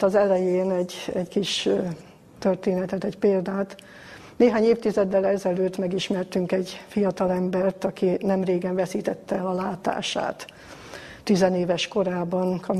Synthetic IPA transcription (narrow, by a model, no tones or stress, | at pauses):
t̪ɒzɛlɛjeːnɛɟɛɟkiʃ | t̪ørt̪eːnɛt̪ɛt̪ɛɟpeːld̪aːt̪ | neːɦaːɲeːft̪izɛd̪ːɛlɛzɛløːt̪mɛɡiʃmɛrt̪yŋkɛɟfijɒt̪ɒlɛmbɛrt̪ɒkinɛmreːɡɛɱvɛsiːt̪ɛt̪ːɛɛlɒlaːt̪a̰ːʃa̰ːt̪ | t̪ːizɛneːvɛʃko̞ɾaːbɒnkʰɒ